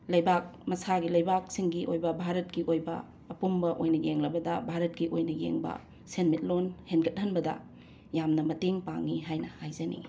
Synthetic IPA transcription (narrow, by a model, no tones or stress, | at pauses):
lɐjbak̚mɐsaɡilɐjbak̚siŋɡiʔojbɐbʱaɾɐt̚kiʔojbɐ̰ː | pumbɐʔojnɐjeŋlɐbɐdɐbʱaɾɐt̚kiʔojnɐjḛŋbɐ̰ | senmit̚lonhenkɐt̚hɐnbɐdɐ̰ | jamnɐmɐteŋpa̰ŋːiɦajnɐhajzɐnḭ